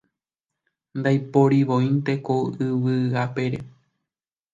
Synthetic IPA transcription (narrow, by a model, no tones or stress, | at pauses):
nd̪ajpo̞ɾiʋõj̃nt̪e̞koɨʋɨape̞ɾe̞